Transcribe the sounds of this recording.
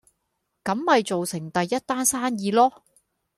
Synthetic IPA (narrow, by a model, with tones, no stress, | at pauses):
kɐ˨˧˥mhɐ˨jt͡so˨wsɪ˨˩ŋt̪ɐ˨jːɐ˥t̚t̪aː˥nsaː˥njiː˨˧lɔː˥